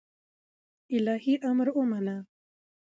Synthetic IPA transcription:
ɪlɑːhiʔamɾumana

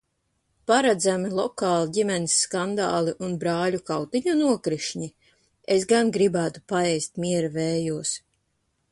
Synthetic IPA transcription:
paɾad̪zamilˠɔkaːlˠiɟʲimɛnisːkand̪a̰ːlˠiʔunbɾaːʎukawt̪iɲunuɔkɾiʃɲi | esɡanɡɾibæːt̪u̥paɛjst̪̚mʲiɛɾavɛːjuɔs

